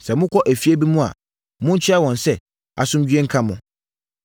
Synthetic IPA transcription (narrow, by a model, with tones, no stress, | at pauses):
sɛ˨mʊ̃˦kʰɔ˦ʔæ˨fi˦æ˦bi˦mũ˦a̰˨ | mʊ̃˦ɲ̩˦t͡ɕʰᶣa˦wɔ̃˨nsɛ˦ | a̰˨sʊ̃˦md͡ʑᶣɥɛ˦ŋ̩˦kʰã˦mʊ̃˨